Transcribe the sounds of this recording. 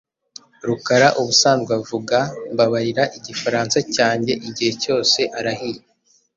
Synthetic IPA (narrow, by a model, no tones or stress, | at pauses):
ɾukaɾaʔuβusaːnzɡwavuɡambaβaɾiɾaʔiɟifaɾaːnsacaːɲɟe̞ʔiɟihe̞co̞ːse̞ʔaɾahije